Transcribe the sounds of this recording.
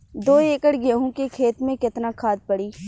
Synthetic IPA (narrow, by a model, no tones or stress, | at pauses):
d̪oːeːkəɽɡəɦõkekʰeːt̪mẽkɪt̪nakʰaːd̪̚pəɽiː